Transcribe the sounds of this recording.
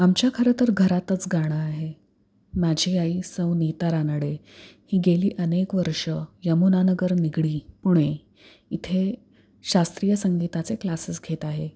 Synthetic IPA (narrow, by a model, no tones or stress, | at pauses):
amt͡ɕjakʰəɾət̪əɾɡʱəɾat̪ət͡sɡʱaɽ̃əaɦe | mad͡ʑʱiaisəwnit̪aɾanəɽe | hiːɡeliːʔənekʋəɾʂəjəmunanəɡəɾniɡɽiːpuɽ̃e | it̪ʰe | ɕast̪ɾijəsəŋɡit̪at͡seklasəsɡʱet̪aɦe